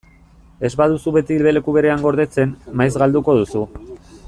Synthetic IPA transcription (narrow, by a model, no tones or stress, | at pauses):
e̞zβaðusuβe̞t̪ilβe̞le̞kuβe̞ɾe̞aŋɡo̞ɾðe̞t͡se̞nmajzɣald̪uko̞ðusu